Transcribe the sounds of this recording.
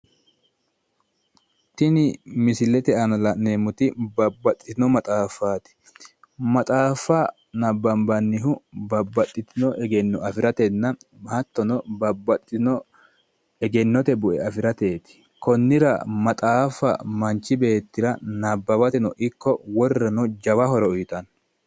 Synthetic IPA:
t̪ɪnɪmɪsɪlɛt̪ɛɐnɐlɐneːmʊt̪ɪbɐbːɐt̪ʼːɪt̪ɪnɔmɐt̪ʼaːfaːt̪ɪ̥ | mɐt̪ʼaːfɐ | nɐbːɐmbɐnːɪɦʊbɐbːɐt̪ʼːɪt̪ɪnɔʔɛɡɛnːɔɐfɪɾɐt̪ɛnːɐmɐt̪ːɔnɔbɐbːɐt̪ʼːɪt̪ɪnɔ | ɛɡɛnːɔt̪ɛbʊʔɛ̰ɐfɪɾɐt̪e̞ːt̪ɪ̥ | kɔnːɪɾɐ̰mɐt̪ʼaːfɐ̰mɐnt͡ʃːɪbe̞ːt̪ːɪɾɐnɐbːɐbɐt̪ɛnɔʔɪkːɔwɔrːɐnɔd͡ʒɐwɐhɔɾɔʊjt̪ɐn

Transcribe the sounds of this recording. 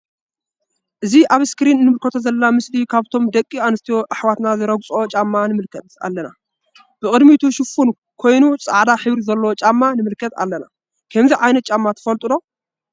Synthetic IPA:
ʔɨziʔaβskɨɾinɨnːɨmɨlkʰɐt̪ʰo̞zɐlɐnamɨslikʰaβt̪ʰo̞md̪ɐkʼːianɨst̪ʰijoʔaħwat̪nazɨɾɐɡt͡sʼo̞t͡ʃʼamːanɨmɨlkʰɐt̪a̰lːɐna | b̥ɨkʼɨd̪mit̪ʰuʃɨfun | kʰo̞jnut͡sʼa̰ʕd̪aħɨβɾizɐlːowot͡ʃʼamːanɨmɨlkʰːɐt̪a̰lːɐna̰ | kʰɐmziʕajnɐt̪̚t͡ʃʼamːat̪ʰɨ̥fɐlt̪ʼud̪o̞

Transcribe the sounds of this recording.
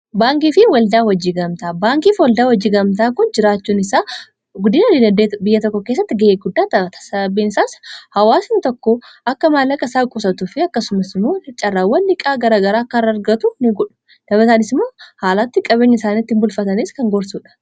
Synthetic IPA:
baːŋkiːfɪwɐld̪aːwɐd͡ʒiːɡɐmt̪aːbaːŋkiːfwɐld̪aːwɐd͡ʒːiːɡɐmt̪aːkʊnd͡ʒɪɾaːt͡ʃːuːnɪsaː | ɡʊd̪iːnɐd̪id̪ɐnd̪eːbɪjːɐt̪ɔkːɔkeːs̬ːɐt̪ːɪɡɐeːɡʊd̪ːaːd̪ɐbɐt̪ɐ̥sɐbiːnɪsaːshɐwaːsnɪt̪ɔkːɔʔɐkːɐmaːlːɐkʼɐsaːkʼʊsɐt̪ʊfɪɐkːɐsʊmɐsɪmoːt͡ʃʼɐrːaːwːɐnːɪkʼaːɡɐɾaːɡɐɾaːkːɐrːɐɐɾɡɐt̪ʊnɪɡɔᶑʊ̥ | d̪̥ɐbɐt̪aːnɪsmːoːhaːlaːt̪ːɪkʼɐbeːɲːɐɪsaːniːt̪ːɪmbʊlfɐt̪ɐniskɐŋɡɔɾsuːᶑɐ̥

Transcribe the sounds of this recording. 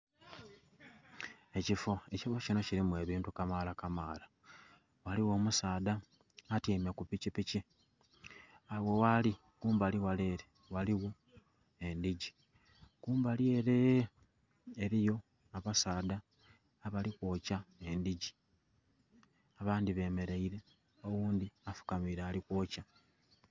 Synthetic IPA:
e̞cifo̞e̞cifo̞cino̞ciɾimuwe̞ːβiːntukamaːlakamaːla | waliwo̞ːmusaːda | atimekupicipici | awe̞wali | kuːmbaliwale̞ːɾe | waliwo̞ | endiɟi | kuːmbalie̞ɾe | eɾijo | aβasaːdaː | βalikwo̞ːcaendiɟi̥ | aβaːndiβe̞ːme̞ɾeiɾe̞ | o̞ɣuːnd̪iafu̥kamiɾealikwo̞ːca

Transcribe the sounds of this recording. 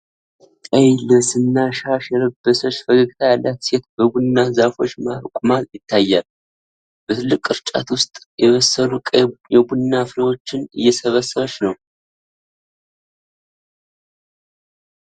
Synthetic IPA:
əjləsɨnːaʃaʃɛləbːəsət͡ʃːfəɡəɡt̪ʰajalːat̪se̞t̪bəbunːazafo̞t͡ʃːaɾkʷʼmaljɪt̪ʰːajːal | b̥ət̪ʰɨlːɨkʼɨɾt͡ʃʼa̰t̪wʊst̪ʼjɛβəsəlukʼjɛbunːafɨləwo̞t͡ʃːɪnɨ̰jːɛsəβəsːəβət͡ʃːnəw

